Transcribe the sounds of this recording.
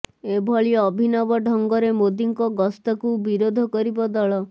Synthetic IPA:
ebʱɔɭiɔːbʱinɔbɔɖʱɔŋɡɔɾemod̪iŋkɔɡɔst̪ɔkubiɾod̪ʱɔkɔɾibɔd̪ɔɭɔ

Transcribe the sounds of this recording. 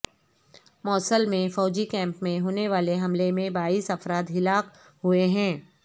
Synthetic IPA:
mɔːsəlmẽfɔːd͡ʒikɛ̃ːmpmẽɦoːneʋaːleɦɐmlemẽbaːiːsɐfɾaːd̪ɦɪlaːq | ɦueɦɛ̃ː

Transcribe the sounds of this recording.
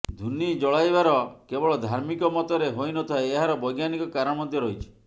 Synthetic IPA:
d̪ʱunid͡ʒɔɭajbaɾɔkebɔɭɔd̪ʱaɾmikɔmɔt̪ɔɾeɦojnɔt̪ʰaeːɦaɾɔbɔjɡjanikɔkaɾɔɽ̃ɔmɔd̪ʱjɔɾoit͡ʃʰi̥

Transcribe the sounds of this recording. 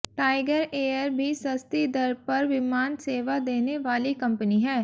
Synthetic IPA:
ʈaːɪɡəɾeːəɾbʱisɐst̪id̪əɾpɐɾʋɪmaːnseːʋad̪eːneʋaːlikɐ̃mpəniɦɛː

